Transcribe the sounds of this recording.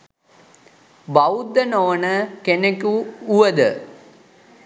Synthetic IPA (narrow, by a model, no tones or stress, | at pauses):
bɐwd̪ːɐnoːnəkenekuːʋɐd̪ə